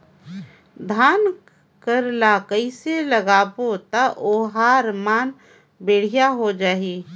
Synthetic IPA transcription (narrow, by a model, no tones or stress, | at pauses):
d̪ʱaːn | kəɾlakəɪseləɡaːbot̪aʔoːɦaːɾmaːn | beːɽ̤ijaɦod͡ʒaːɦi